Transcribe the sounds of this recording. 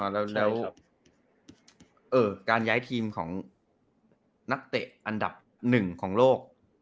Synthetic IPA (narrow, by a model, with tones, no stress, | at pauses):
lɛː˦˥wlɛː˦˥w | ʔɤː˨˩kaː˧njaː˦˥jt̪ʰiː˧mkʰɔ̰ː˩˦ŋ | na˦˥k̚t̪e˨˩ʔa˧nda˨˩p̚ | nɯ˨˩ŋkʰɔː˩˦ŋloː˥˩k̚